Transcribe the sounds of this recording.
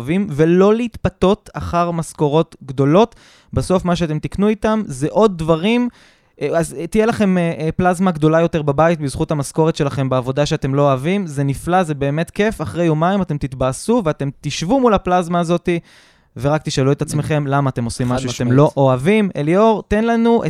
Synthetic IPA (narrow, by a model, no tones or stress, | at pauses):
vimve̞lo̞leit̪pat̪o̞ta̰χaʁmasko̞ʁo̞t̪ɡd̪o̞lo̞t̪ | baso̞fmaʃ̬eat̪e̞mt̪iknuit̪amzeʔo̞d̪̚ːvaʁim | azt̪ijelaχe̞meʔplazmaɡdo̞lajo̞te̞ʁbabait̪bizχuthamasko̞ʁet̪ʃe̞laχe̞mbeavo̞daʃeate̞mlo̞oavimze̞niflaze̞be̞ːme̞t̪ke̞faχʁejomaimate̞mt̪it̪basuveate̞mt̪iʃvumulaplazmaːzo̞t̪i | ve̞ʁakt̪iʃalue̞tat͡sme̞χe̞mlamaːt̪e̞mo̞simːaʃuatemlo̞ʔoavimḛlio̞ʁt̪e̞nlanuʔe